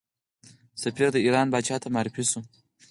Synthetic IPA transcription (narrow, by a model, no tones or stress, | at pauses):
safiɾd̪əiːɾɑːnbɑt͡ʃɑt̪ʰamaːɾifisu